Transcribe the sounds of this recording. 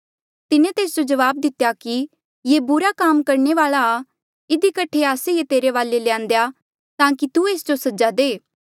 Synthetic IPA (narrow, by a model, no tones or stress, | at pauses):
t̪ɪnẽt̪eːs̬d͡ʒod͡ʒɐʋaːb̚d̪ɪt̪jaki | jeːbʊɾakaːmkɐɾneʋaːlaː | ɪd̪ikɐʈʰeaːsejet̪eːɾeʋaːlelɪjãːnd̪eja | t̪ãːkit̪ueːsd͡ʒosɐd͡ʒad̪eː